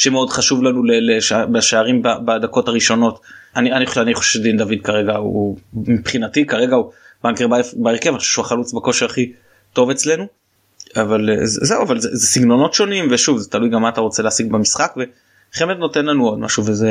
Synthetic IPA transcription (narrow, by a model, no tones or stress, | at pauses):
ʃemeo̞dχaʃuvlanuleleʃbaʃaaʁimbabad̪ako̞taʁiʃo̞no̞tanianiχoaniχoʃefʃedind̪avid̪̚kaʁe̞ɡaṵumipχinatikaʁe̞ɡaubaŋkebaefbaeʁkevaniχoʃeʃuaχalut͡sbako̞ʃiaχi | to̞ve̞t͡sle̞nu | avalḛz̰zeuavalzezesiɡno̞no̞tʃo̞nimveʃuvzet̪alujɡamːaːt̪aʁo̞t͡seleasiɡbamisχakve̞ | χemet̪no̞te̞nlanuo̞d̪ma̰ʃuveze